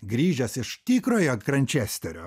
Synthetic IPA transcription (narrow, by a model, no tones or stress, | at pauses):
ɡɾʲiːʒʲɛsɪʃt̪ʲiːkɾoːjokɾɐnʲt͡ʃʲɛsʲt̪ʲɛɾʲoː